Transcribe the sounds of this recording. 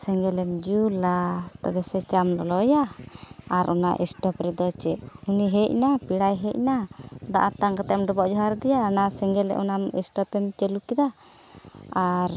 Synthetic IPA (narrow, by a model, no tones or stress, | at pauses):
sɛŋɡɛlɛmd͡ʒulat̪ɔbɛsɛt͡ʃamlɔlɔjaː | ɾʔɔna̰ʔɛ̰sʈɔpɾɛd̪ɔt͡ʃɛʔuniɦɛc̚napiɽajɦɛc̚nad̪aʔat̪aŋkat̪amɖɔbɔʔd͡ʒɔɦaɾd̪ɛjanasɛŋɡɛlɛ̰ʔɔnamɛ̰sʈɔpɛmt͡ʃɛlukid̪a | aɾ